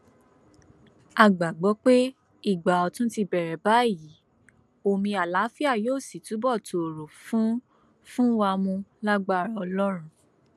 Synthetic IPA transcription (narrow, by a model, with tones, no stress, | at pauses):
a˨ɡ͡ba˨ɡ͡bɔ˨˦k͡pe˦ | i˦˨ɡ͡ba˨ɔ˨tũ˦ti˧bɛ˨ɾɛ˨ba˨˦i˦˨ji˨˦ | o˦˨mĩ˧a˨la˨˦fi˦a˦˨joː˦˨si˨tu˨˦bɔ˦˨to˨o˨ɾo˨fũ˨˦ | fũ˦wa˧mũ˧la˦ɡ͡ba˦˨ɾa˧ɔ˧lɔ˦ɾ̃ũ˧